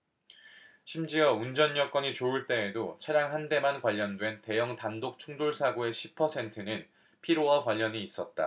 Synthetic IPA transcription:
ɕʰimd͡ʑiʌund͡ʑʌɲjʌk͈wʌɲit͡ɕouɭt͈e̞ːdot͡ɕʰaɾjaŋɦande̞mankwaʎːʌndwe̞nte̞jʌŋtandok̚t͡ɕʰuŋdoɭsʰaɡoe̞ɕʰi̥pʰʌsʰe̞ntʰɯnɯn | pʰiɾowakwaʎːʌɲiːs͈ʌt̚t͈a̰

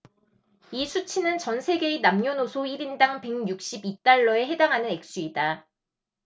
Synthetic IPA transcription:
isʰut͡ɕʰinɯnt͡ɕʌnsʰe̞ɡe̞inamɲonosʰoiɾindaŋpe̞ŋjuk̚ɕ͈ibit͈aɭːʌe̞ɦe̞daŋɦanɯne̞k̚s͈uida

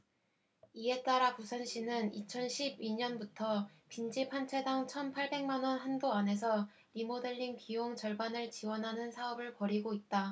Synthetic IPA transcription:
ie̞t͈aɾapusʰʌnɕ͈ʰinɯnit͡ɕʰʌnɕʰibiɲʌnbutʰʌpind͡ʑipʰant͡ɕʰe̞daŋt͡ɕʰʌnpʰaɭbe̞ŋmanwʌnɦandoane̞s̬ʰʌ | ɾimodeʎːinkijoŋt͡ɕʌɭbanɯɭt͡ɕiwʌnɦanɯnsʰaʌbɯɭpʌɾiɡoit̚t͈a

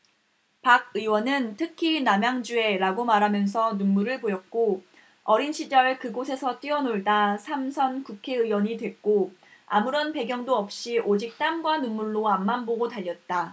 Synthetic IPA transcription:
paɡ̚ɯiwʌnɯntʰɯkʰinamjaŋd͡ʑue̞ɾaɡomaɾɦamjʌns̬ʰʌnunmuɾɯɭpojʌt̚k͈o | ʌɾinɕʰid͡ʑʌɭkɯɡosʰe̞sʰʌt͈iʌnoɭdasʰamsʰʌnkukʰe̞ɯwʌɲidwe̞k̚k͈oa̰muɾʌnpe̞ɡjʌŋdoʌp̚ɕ͈iʔod͡ʑik̚t͈amɡwanunmuɭːoamːamboɡotaʎːʌt̚t͈a

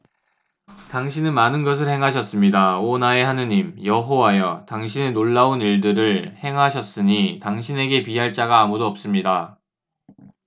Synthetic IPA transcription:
taŋɕ̬ʰinɯnmanɯnɡʌs̬ʰɯɭhe̞ŋɦaɕ̬ʰʌs͈ɯmɲidaonae̞ɦanɯɲimjʌɦowajʌtaŋɕ̬ʰinenoɭːauniɭdɯɾɯɭhe̞ŋɦaɕʰʌs͈ɯɲitaŋɕʰine̞ɡe̞piɦaɭt͡ɕ͈aɡaːmudoʌp̚s͈ɯmɲida

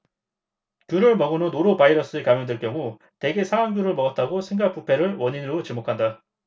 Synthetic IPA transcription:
kjuɾɯɭmʌɡɯnonoɾopaiɾʌs͈ɯekamjʌŋdeɭkjʌŋu | te̞ɡe̞sʰaaŋɡjuɾɯɭmʌɡʌt̚t͈aɡosʰeŋɡak̚p͈upʰe̞ɾɯɭwʌɲinɾot͡ɕimokʰanda

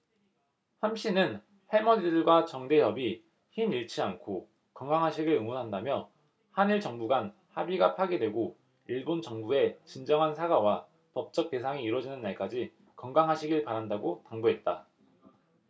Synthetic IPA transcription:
hamɕ͈ʰinɯn | he̞mʌdidɯɭɡwat͡ɕʌŋde̞ɦjʌbi | çimiɭt͡ɕʰiankʰo | kʌŋɡaŋɦaɕʰiɡɯɭɯŋunɦandamjʌ | haniɭt͡ɕʌŋbuɡan | habiɡapʰaɡedwe̞ɡo | iɭbont͡ɕʌŋbue̞t͡ɕind͡ʑʌŋɦansʰaɡawa | pʌp̚t͡ɕ͈ʌk̚t͈e̞s̬ʰaŋiːɾwʌd͡ʑinɯnːaɭk͈ad͡ʑi | kʌŋɡaŋɦaɕʰiɡɯɭpaɾandaɡotaŋbuɦe̞t̚t͈a

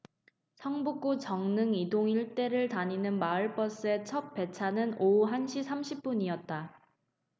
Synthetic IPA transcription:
sʰʌŋbuk͈ut͡ɕʌŋnɯŋidoŋiɭt͈e̞ɾɯɭtaɲinɯnmaɯɭp͈ʌs͈ɯe̞t͡ɕʰʌp̚p͈e̞t͡ɕʰanɯnouɦanɕʰisʰamɕʰip̚p͈uɲiʌt̚t͈a

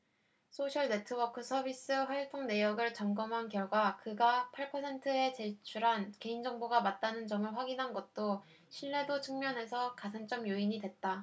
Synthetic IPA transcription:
sʰoɕʰʌɭne̞tʰɯbʌkʰɯsʰʌbis͈ɯɸwaɭt͈ʰoŋne̞jʌɡɯɭt͡ɕʌŋɡʌmɦankjʌɭɡwakɯɡapʰaɭpʰʌsʰe̞ntʰɯe̞t͡ɕe̞t͡ɕʰuɾɦanke̞ind͡ʑʌŋboɡamat̚t͈anɯnd͡ʑʌmɯɭɸwaɡinɦanɡʌt̚t͈o | ɕʰiɭːe̞dot͡ɕʰɯŋmjʌnɦe̞sʰʌkasʰant͡ɕ͈ʌmjoiɲidwe̞t̚t͈a

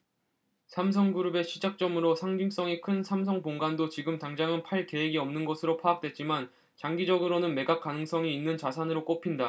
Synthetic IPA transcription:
sʰams̬ʰʌŋɡuɾube̞ɕʰid͡ʑak̚t͡ɕ͈ʌmɯɾosʰaŋd͡ʑiŋs͈ʌŋikʰɯnsʰams̬ʰʌŋpoŋɡandot͡ɕiɡɯmtaŋd͡ʑaŋɯnpʰaɭke̞weɡiʌmnɯnɡʌsʰɯɾopʰaːk̚t͈we̞t̚t͡ɕ͈iman | t͡ɕaŋɡid͡ʑʌɡɯɾonɯnme̞ɡak̚k͈anɯŋs͈ʌŋiːnːɯnt͡ɕasʰanɯɾok͈opʰinda

